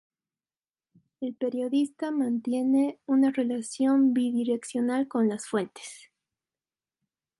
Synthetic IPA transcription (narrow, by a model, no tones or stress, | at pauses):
e̞lpe̞ɾjo̞ðist̪amãnt̪je̞neunare̞lasjo̞mbiðiɾe̞ksjo̞nalko̞nlasfwe̞nt̪e̥s